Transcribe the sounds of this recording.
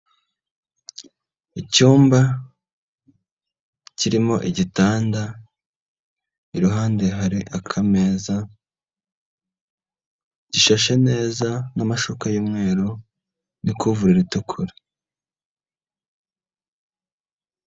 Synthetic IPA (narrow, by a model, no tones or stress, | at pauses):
icuːmba | ciɾimo̞ʔiɟitaːnda | iɾuɦaːnde̞ɦaɾiʔakʰame̞ːza | ɟ̥iʃaʃe̞ne̞ːzanamaʃukajuːmŋe̞ːɾu | nikuvuɾiɾitukʰuɾe̥